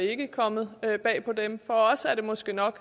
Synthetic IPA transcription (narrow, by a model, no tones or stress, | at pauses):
e̝ɡ̥əkʰɒ̽mð̩ˠøb̥ɛ̰ːpʰɒ̽d̥emfɒ̽ɒ̽sæɐɾ̥e̝mɒ̽sɡ̥e̝nɒ̽ɡ̥